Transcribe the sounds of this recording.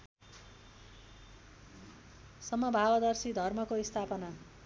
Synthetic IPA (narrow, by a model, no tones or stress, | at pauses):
sʌmʌbʱabʌd̪ʌrsid̪ʱʌrmʌkoist̪ʰapʌna